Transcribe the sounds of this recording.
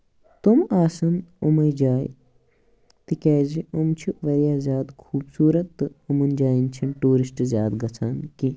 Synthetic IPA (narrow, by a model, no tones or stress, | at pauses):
t̪umaːsɐnumɐjd͡ʒaːj | t̪ikɛːziumt͡ʃʰiʋɐɾjaːzjaːd̪kʰuːbsuːɾɐt̪ːɨɐmund͡ʒaːjint͡ʃʰinʈuːɾisʈzʲjaːd̪ɡɐt͡sʰaːnki